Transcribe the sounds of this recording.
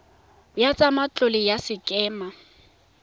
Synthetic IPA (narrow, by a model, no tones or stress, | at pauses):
jat͡sʼamat͡ɬʼʊlɪjasɪkʼɛːma